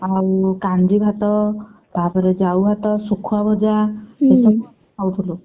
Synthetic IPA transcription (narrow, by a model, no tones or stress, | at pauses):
awkand͡ʒibʱat̪ɔ | bʱapɔɾed͡ʒawbʱat̪ɔsukʰuabʱɔd͡ʒaesɔb | awt̪ʰulu